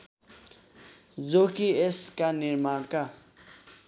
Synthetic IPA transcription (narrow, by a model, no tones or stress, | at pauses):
d͡zokieskaniɾmaɾka